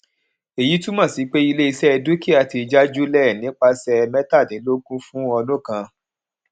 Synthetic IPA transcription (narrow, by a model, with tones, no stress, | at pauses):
e˨ji˨˦tũ˦mã˦˨si˨˦k͡pe˦i˧le˦i˧sɛ˦ɛ˧du˦ki˦˨a˨˧˨ti˧d͡ʒa˦d͡ʒu˦lɛ˦˨nĩ˨˦k͡pa˧sɛ˧mɛ˦ta˦˨nĩ˨˦lo˦kũ˦fũ˦ɔ˧lũ˦˨kã˧